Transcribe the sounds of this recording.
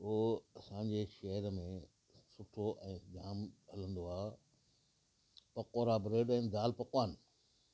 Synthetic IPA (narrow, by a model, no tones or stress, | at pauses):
oːɐsãːɲd͡ʑeʃɐɦəɾmẽ | sʊʈʰoʔɛ̃ːd͡ʑaːmɦɐlə̃nd̪oaː | pɐkoːɾabɾeːɖɛ̃ːd̪aːlpɐkʋaːn